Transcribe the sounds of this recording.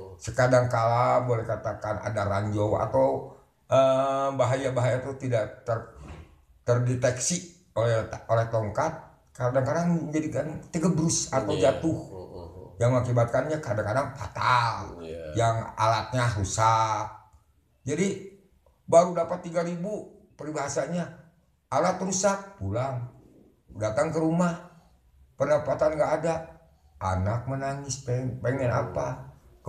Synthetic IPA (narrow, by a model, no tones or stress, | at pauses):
səkadaŋkalabolɛhkat̪akana̰daɾaɲd͡ʒowa̰t̪aw | ʔəbaɦajabaɦajat̪uht̪idaʔt̪ər | t̪ərdɛt̪ɛksi | olɛolɛht̪oŋkat̪̚ | kadaŋkadaŋd͡ʒadikant̪əɡəbɾʊsat̪awd͡ʒat̪ʊh | jaŋməakibat̪̚kanɲakadaŋkadaŋfa̰t̪aljaŋa̰lat̪̚ɲasusak̚ | d͡ʒadi | baɾudapat̪ːiɡaɾibu | pəɾibaɦasaɲa | alat̪ɾusak̚pulaŋ | dat̪aŋkəɾumah | pərnapat̪anŋɡaːda | ʔa̰nak̚mənaŋɪspɛŋpaŋmɛna̰pa